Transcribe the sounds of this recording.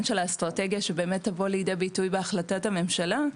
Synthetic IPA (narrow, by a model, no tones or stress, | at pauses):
nʃe̞lastʁate̞ɡjaʃebe̞ːme̞tːavo̞lijdebitujbeaχlatatame̞mʃala